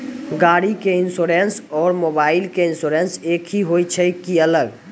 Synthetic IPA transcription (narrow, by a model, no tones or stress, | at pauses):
ɡaɽikeɪnsoɾensɔːɾmobaːɪlkeɪnsoɾenseːkʰɦiɦojt͡ʃʰɛkiələɡ